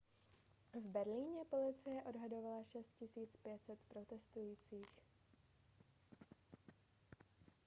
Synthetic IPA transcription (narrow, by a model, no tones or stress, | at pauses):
vbɛɾliːɲɛpo̞lɪt͡sɪjɛʔo̞dɦado̞valaʃɛst̪̚cɪsiːt͡spjɛt̪sɛt̪pɾo̞t̪ɛst̪ujiːt͡siːx